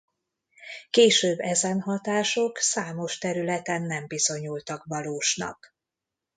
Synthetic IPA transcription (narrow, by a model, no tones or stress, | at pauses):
keːʃøːbːɛzɛnɦɒt̪aːʃo̞ksaːmo̞ʃt̪ɛɾylɛt̪ɛnːɛmbizo̞ɲult̪ɒkʋɒloːʃnɒ̰k